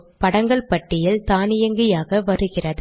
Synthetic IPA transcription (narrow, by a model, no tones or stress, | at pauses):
pɐɽɐŋɡɐɭpɐʈːɪjɪlt̪aːnɪjɐŋɡɪjaːɣɐʋɐɾɯɣɪrɐð